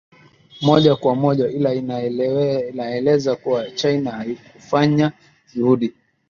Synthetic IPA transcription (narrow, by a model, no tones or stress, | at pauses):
mɔʄakwamɔʄailai | naɛlɛzakuwat͡ʃajnahaikufaɲa | ʄuhuɗi